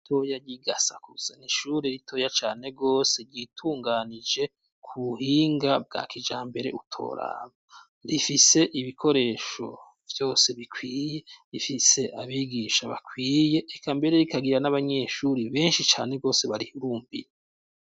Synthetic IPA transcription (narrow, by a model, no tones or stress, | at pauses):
itʰo̞jaɟiɡasakuz̥aniʃuːɾeɾitʰo̞ːjat͡ʃaːne̞ɡo̞ːse̞ɾɟitʰuːŋɡaːnid͡ʒe̞ | kʰuβuhiːŋɡab̚ɡa̰ːkid͡ʒaːmbe̞ɾe̞̰ʔutʰo̞̰ːɾa̰ːβa | ɾifise̞ʔiβikʰo̞ɾe̞ːʃo̞̰ | vjo̞ːse̞βikwiːje̞ɾifise̞ʔaβiɡiʃaβa̰kʰwiːje̞ʔːkaːmbe̞ɾe̞ɾikaɡiɾanaβaɲe̞ʃuɾiβe̞ːnʃit͡ʃa̰ːne̞ɡo̞ːse̞βaɾihuɾuːmbiɾe